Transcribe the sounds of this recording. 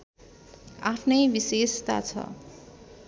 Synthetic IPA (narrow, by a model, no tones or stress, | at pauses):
apʰnʌjbisest̪a̰t͡sʰʌ̰